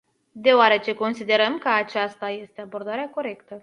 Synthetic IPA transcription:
d̪e̞oaɾe̞t͡ʃe̞ko̞nsid̪e̞ɾəmkəat͡ʃast̪aje̞st̪e̞abo̞rd̪aɾeako̞ɾe̞kt̪ə

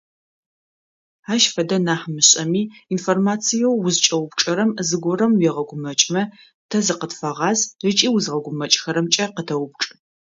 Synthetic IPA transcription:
aːʃfɐdɐnaːħmɨɕʼɐmiːinformaːt͡sʰijɛɐwːʊzt͡ʃʼɐwʊpʈ͡ʂʼɐɾɐmzɨɡʷɔɾɐmjɛʁɐɡʷʊmɐt͡ʃʼmɐ | tʰɐzɨqətfɐʁɑːzrɨt͡ʃʼiːwʊzʁɐɡʷʊmɐt͡ʃʼxɐɾɐmt͡ʃʼɐqətʰɐwʊp̚ʈ͡ʂʼ

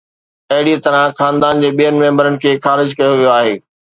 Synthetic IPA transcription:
ɐɦɪɽit̪ɐɾə̃xaːnd̪aːnd͡ʑeːɓijənɪ̆mẽːmbəɾənɪ̆kʰeːxaːɾɪd͡ʑkɐjoʋijoaːɦeː

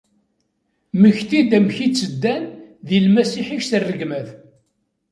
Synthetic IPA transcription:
məçt̪id̪æmçit͡sːəd̪ːænðilmæsiħiçsərːəɡmæθ

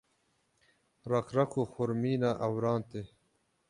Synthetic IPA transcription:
ɾakɾakoxoɾmiːnaʔawɾɑːnt̪e

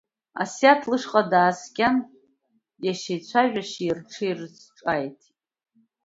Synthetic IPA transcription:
a̰sjatʰlɨʂqʼadaːskʲʼan | jaʃejt͡ɕʷʰaʒᶣaʃirʈ͡ʂʰɨjrt͡sʈ͡ʂʼajtʰʼ

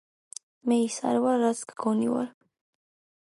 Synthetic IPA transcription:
mɛisa̰ɾvaɾːat̪sʰɡɡɔniva̰ɾ

